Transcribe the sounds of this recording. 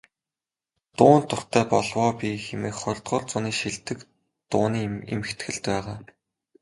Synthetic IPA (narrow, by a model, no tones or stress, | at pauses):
t̪ʊːnt̪ʰːʊχt̪ʰæːpɔɮwɔːpʲiːxemeːkχɔrʲt̪ɢɔːɮt͡sʊniːʃiɮt̪ɘ̆k | t̪ʊːniːḛmɘ̆kt̪xɘ̆ɮt̪pæːʁaː